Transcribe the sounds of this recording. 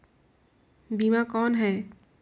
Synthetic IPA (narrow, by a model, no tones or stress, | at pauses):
bimakɔːnɦɛː